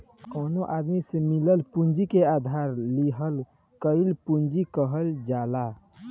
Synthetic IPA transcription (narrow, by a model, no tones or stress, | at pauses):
konoʔad̪misemiləlpund͡ʒikead̪ʱaɾliɦəl | kəɪlpund͡ʒikəɦəld͡ʒala